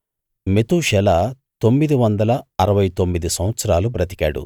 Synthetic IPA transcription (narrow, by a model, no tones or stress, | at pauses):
me̞t̪uːʃɛlɐ | t̪o̞mːid̪iʋɐnd̪ɐlɐɐɾɐʋɐjt̪o̞mːid̪isɐ̃mʋɐt̪sɐɾaːlupɾɐt̪i̥ka̰ːɽṵ